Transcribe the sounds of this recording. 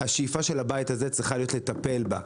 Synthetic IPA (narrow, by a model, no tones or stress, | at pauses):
haʃijifaʃe̞labajitaze̞t͡sʁiχalijo̞tlet̪ape̞lba